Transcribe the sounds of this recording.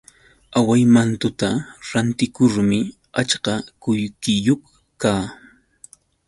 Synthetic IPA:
awajmant̪ʊt̪aɾant̪ɪkʊɾmɪ | at͡ʃqɑkʊjkɪjoχ | kaː

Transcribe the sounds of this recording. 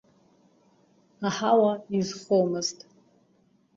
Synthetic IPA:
aħawaizχomɨztʼ

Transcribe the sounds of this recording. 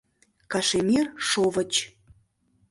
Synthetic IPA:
kɑʃemirʃovət͡ɕ

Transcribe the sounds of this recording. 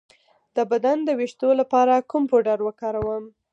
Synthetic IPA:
d̪̥əbad̪and̪əwiʃt̪olapɑɾakʊmpoɖaɾwəkɑɾawəm

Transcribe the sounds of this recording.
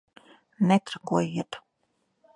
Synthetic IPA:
nɛt̪ɾakuɔjiɛt̪

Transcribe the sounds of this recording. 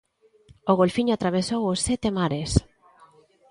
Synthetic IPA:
oɣolfiɲoat̪ɾaβesowosːɛt̪emaɾes

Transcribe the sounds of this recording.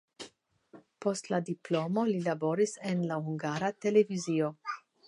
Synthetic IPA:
postladiplomo̞lilabo̞ɾisenlahuŋɡaɾat̪e̞le̞vizio

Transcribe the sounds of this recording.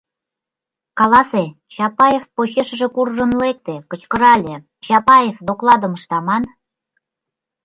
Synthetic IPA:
kɑlɑse | t͡ɕɑpɑjefpoɕeʃə̆ʒĕkurʒə̆nlek̚t̪ekət͡ɕkə̆ɾɑlʲe | t͡ɕɑpɑjefd̪oklɑd̪ə̆məʃt̪ɑmɑn

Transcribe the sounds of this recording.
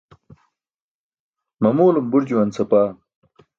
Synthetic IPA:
mɐmoːlumbuɾd͡ʑuwɐnsɐpaː

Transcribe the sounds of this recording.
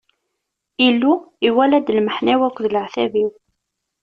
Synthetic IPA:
ilːuiwælæd̪lməħnæwækʷːðləʕθæviw

